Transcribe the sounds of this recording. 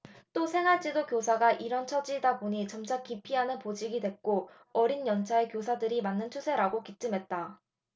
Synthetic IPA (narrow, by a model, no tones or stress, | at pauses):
t͈osʰe̞ŋɦaɭt͡ɕ͈idokjosʰaɡaʔiɾʌnt͡ɕʰʌd͡ʑidaboɲit͡ɕʌmt͡ɕʰak͈ipʰiɦanɯnpod͡ʑiɡidwe̞k̚k͈o | ʌɾinjʌnt͡ɕʰaekjosʰadɯɾimanːɯnt͡ɕʰosʰe̞ɾaɡokit͡ɕ͈ɯmɦe̞t̚t͈a